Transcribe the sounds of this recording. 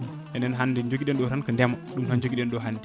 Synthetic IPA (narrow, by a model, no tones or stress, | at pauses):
enenɦandid͡ʒokiɗenɗoɾankəndemaɗumhand͡ʒoɡiɗenɗoɦandi